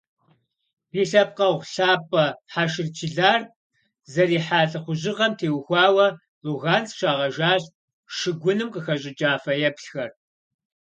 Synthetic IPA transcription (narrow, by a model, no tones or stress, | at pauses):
b̥iːɬɐp̚qɐʁʷɬaːpʼɐħaʃɪrt͡ʃʰɪɮaːr | zɐɾiːħaːɬʼɐχʷʊʑɪʁɐmtʰeːwxʷɑːwɐ | ruɣaːnt͡sʃaːʁɐʒaːɕ | ʃɪɡʷʊnɨmqəxɐɕʼɪt͡ʃʼaːfɐjɛpɬxɐr